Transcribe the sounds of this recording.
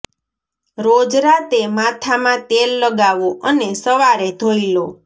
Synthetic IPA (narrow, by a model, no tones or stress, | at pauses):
ɾod͡ʒɾat̪emat̪ʰamãt̪elːəɡaʋoʔənesəʋaɾet̪oilo